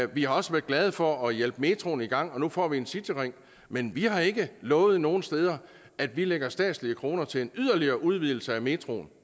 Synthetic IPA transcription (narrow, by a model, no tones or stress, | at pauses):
ʋihɑ̈ɒ̽səʋæɐ̥ɡ̥lɛð̞ˠfɒ̽ɒ̽jel̰b̥əme̝t͡sʰʁo̝ːniɡ̥ɑ̈ŋ̰ɒ̽nufɒ̰ːʋiensid̥ʰiʁeŋ̰ | menʋihɑ̈e̝ɡ̥əlɔ̽ːð̩ˠno̝ːn̩sd̥eːð̞ˠɐ | æd̥ʋileɡ̥ɐsd̥ɛ̰ːd̥sliəkʰʁo̝ːnɐt͡sʰe̝le̝nyð̰ˠɐliɐːʔuð̞ˠʋið̰ˠl̩səæme̝t͡sʰʁo̝̰ːn